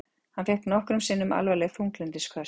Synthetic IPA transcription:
hanθɛhk̪nɔhkɾʏmsɪːnːʏmʔa̰lvalɛɣθuŋklɛnt̪ɪskʰvœ

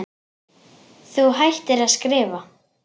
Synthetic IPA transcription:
θuɦajht̪ɪɾaðskɾɪːva

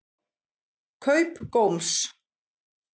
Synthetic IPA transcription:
kʰœɥpkowms

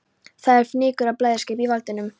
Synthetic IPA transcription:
θaðɛɾ̥fnɪːkʏɾaplaːjðḁscɪːpivalt̪ɪnʏm

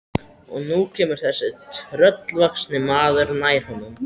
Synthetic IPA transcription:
ɔ̰ɣnucʰɛːmʏɾ̥θɛsːɪt̪ʰɾœt̪lvaksnɪmaːðʏɾnaːjɾ̥hɔnʏm

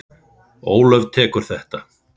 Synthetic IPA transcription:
oːwlœvt̪ʰɛːkʏɾ̥θɛht̪a

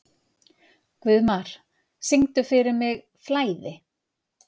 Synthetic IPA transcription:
kvʏðmaɾ̥ | sɪŋt̪ʏfɪɾɪɾmɪɣ | flaːjðɪ

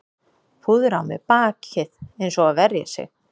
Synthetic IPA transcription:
fuːðʏɾawmɪ̰paːcʰɪðejnsɔaðvɛrja̰sjɛ̰x

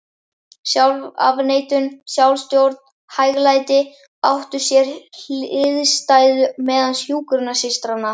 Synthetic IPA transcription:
sjawla̰vneːjt̪ʏnsjawlst̪jowɾt̪n̥ | hajɣlajt̪ɪ | awht̪ʏ̥sjɛɾ̥ɪðst̪aːjðʏmɛːðansjuːkɾʏnasɪst̪ɾanːa

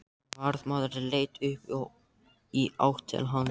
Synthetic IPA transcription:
vaɾðmaːðʏɾɪleːjt̪ʏhp | ia̰wht̪ʰɛ̰lɦan

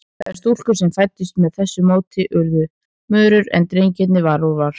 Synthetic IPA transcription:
θaɛ̰̥st̪ul̥kʏɾ̥sɛmfajt̪ːɪst̪mɛðθɛsːʏmoːwt̪ʰɪʔʏɾðʏ | mœːɾʏɾɛ̰nt̪ɾeːjɲcɪt̪nɪvaɾuvaɾ̥

